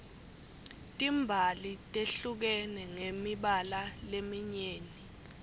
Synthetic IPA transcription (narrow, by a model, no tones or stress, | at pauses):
tʼimbʱalitʼeɬuk̬ɛnɛŋemiɓalalemiɲeːni